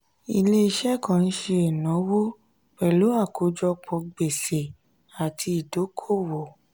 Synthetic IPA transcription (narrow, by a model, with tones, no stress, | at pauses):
ḭ˧le˦i˧ʃɛ˦kã˨n̩˦ʃe˧e˨nɔ̃˨˦wo˦ | k͡pɛ˨lo˨˦a˦˨ko˨˦d͡ʒɔ˧k͡pɔ̃˧ɡ͡be˨se˨ | a˨ti˧i˨do˨˦kʰo˦˨wo˨